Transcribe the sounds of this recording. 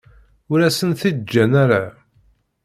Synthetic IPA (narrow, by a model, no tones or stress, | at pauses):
ʊɾæsənθid͡ʒːænæɾa